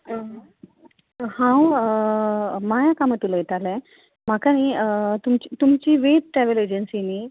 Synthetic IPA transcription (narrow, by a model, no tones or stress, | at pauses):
hãw | majakamət̪uləjet̪alɛ̃ | m̤akañiət̪umt͡ɕit̪umt͡ɕiːʋetʈɾɛʋeled͡ʑənsiniː